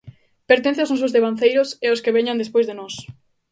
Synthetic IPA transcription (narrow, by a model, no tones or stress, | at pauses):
peɾt̪en̟θeawznɔs̬ʊzðeβanθejɾʊseʊskeβeɲand̪espojzðenɔs